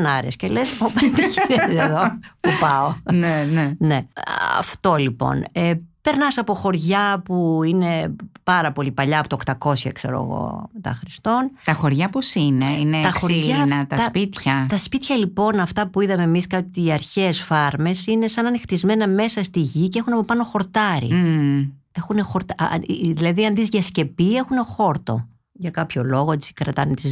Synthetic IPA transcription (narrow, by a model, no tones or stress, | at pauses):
nɐɾḛscelesopent̪iʝineeðo̞pupɐonenene̞ɐ̰ft̪o̞lipo̞̰nepe̞ɾnɐsɐpo̞xo̞ɾʝɐpuine̞pɐɾɐpo̞lipɐʎɐpot̪ɐokt̪ɐko̞sçɐ̰ksḛɾo̰ːɣo̞̰met̪ɐ̰xɾist̪o̞nt̪ɐxo̞ɾʝɐposineineɐoɐnɐt̪ɐɐspit̪çɐt̪ɐspit̪çɐlipo̞nɐft̪ɐpuiðɐme̞miskɐt̪iɐɾçe̞sfɐɾme̞sine̞sɐnɐnixt̪izme̞nɐme̞sɐst̪iʝiceexunɐpo̞pɐno̞xo̞ɾt̪ɐɾḭ | e̞xune̞xo̞ɾt̪ɐðilɐðiɐnðizʝɐsce̞pie̞xune̞xo̞ɾt̪o̞̰ | ʝɐkɐpço̞lo̞ɣoet͡ssi̥kɾɐt̪ɐnet̪iz